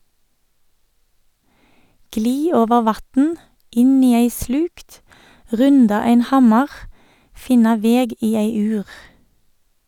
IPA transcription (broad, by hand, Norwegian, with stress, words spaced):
ˈɡliː ˈoːʋəʁ ˈʋɑtn̩ ˈɪn ˈiː ˈæɪ ˈslʉkt ˈʁʉndɑ ˈæɪn ˈhɑmɑʁ ˈfɪnɑ ˈʋeːɡ ˈiː ˈeɪ ˈʉːʁ